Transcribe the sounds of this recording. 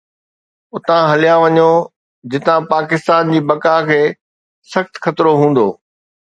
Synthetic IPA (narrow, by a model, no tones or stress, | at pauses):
ʊt̪ãɦɐlijãʋɐɲo | d͡ʑɪt̪ãpaːkɪst̪aːnd͡ʑiːbɐkaːɦkʰeː | sɐxt̪xɐt̪ɪɾoɦũːn̆d̪oː